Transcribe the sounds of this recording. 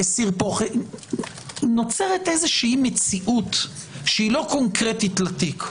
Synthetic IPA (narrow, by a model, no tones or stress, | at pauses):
esiʁpoχe | no̞t͡seʁet̪ʔezeʃiimet͡siʔut | ʃeilo̞ko̞ŋkʁetitlat̪ik